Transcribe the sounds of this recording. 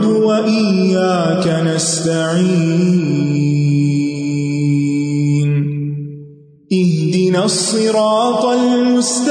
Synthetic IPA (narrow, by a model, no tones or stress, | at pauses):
d̪waʔɪjːaːkanast̪aʕiː | n | ʔɪhd̪ɪnaːsˤːɨɾɑːt̪ˤɑlmʊst̪